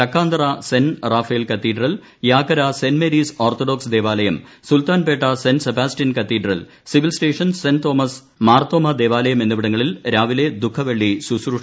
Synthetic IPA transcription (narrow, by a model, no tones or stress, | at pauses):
ɐkʰːaːnd̪ɐrɐsenraːfɐjlkɐt̪ːiːɖrɐl | jaːkːɐɾasenmeɾiːsoːrt̪ʰoɖoːksd̪e̞ːʋaːlɐjɐm | sult̪aːnpe̞ːʈːɐsensebaːsʈinkɐt̪ːiːɖrɐ̰l | siʋilsʈeːʂɐnsent̪o̞ːmɐs | maːrt̪oːmɐd̪e̞ːʋaːlɐjɐme̞nːuʋiɽɐŋːɐɭilɾaːʋile̞d̪ukʰːɐʋeɭːisusɾu